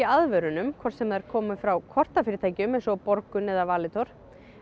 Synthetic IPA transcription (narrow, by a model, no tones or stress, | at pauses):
iaðvœɾʏnʏmkʰvɔr̥t̪sɛmðɛɾ̥kʰɔːmʏfɾawkʰɔr̥t̪afɪːɾɪt̪ʰaːjcɪʏmɛnsɔpɔɾkʏnɛðavaːlɪt̪ʰɔɾ̥